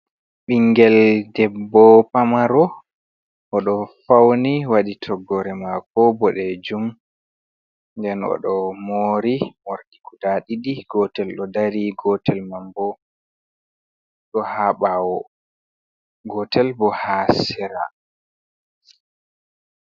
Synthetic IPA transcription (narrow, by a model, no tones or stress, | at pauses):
ɓiŋɡɛldɛbːɔpamaɾɔ | ʔɔɗɔfawniwaɗitʰɔɡɔɾɛmakɔbɔɗɛd͡ʒum | ndɛnɔ̰ɗɔmoɾimɔɾdikudaɗiɗiɡ̥ɔtɛlɗɔdaɾiɡɔtʰɛlmambɔ | ɗɔhaɓawɔ | ɡɔtɛlbɔhasɛɾa̰